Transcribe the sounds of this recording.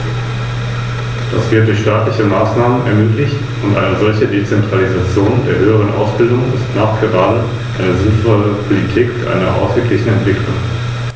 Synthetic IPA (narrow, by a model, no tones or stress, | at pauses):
d̥asv̥ɪɐt̚d̥ʊçʃtaːtlɪçəmaːsnaːmənɛɐmøːklɪçt | ʊntʔa̰ɪnəzɔlçədet͡sɛntʁ̥alizat͡sjoːndeːɐɦøːəʁ̞ənʔa̰ʊsb̥ɪldʊŋɪstnaːχɡ̥əʁaːdə | ʔaɪnəzɪnfɔləpʰolitʰiːkɪʔa̰ɪnɐʔa̰ʊsɡ̥əkʰlɪçn̩ɛntv̥ɪkʰlʊŋ